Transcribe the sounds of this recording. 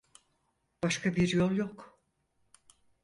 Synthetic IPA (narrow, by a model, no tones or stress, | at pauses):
b̥aʃkʰabiɾjo̞lˠjok